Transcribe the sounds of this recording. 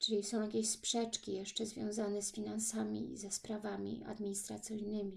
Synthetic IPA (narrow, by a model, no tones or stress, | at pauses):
t͡ʂɘlʲisɔ̃w̃jakʲeɕspʂɛt͡ʂkʲijɛʂt͡ʂɛzvʲjɔ̰̃w̃zanɛsfʲinansamʲḭzɛspɾavamʲḭa̰d̪mʲiɲist̪ɾat̪sʲijnɘmʲi